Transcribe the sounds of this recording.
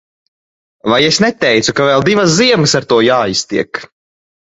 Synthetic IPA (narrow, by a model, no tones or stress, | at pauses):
vajesnɛt̪ɛjt̪sukavɛːlˠd̪ivas̬ziɛmɨsaɾt̪uɔjaːist̪iɛk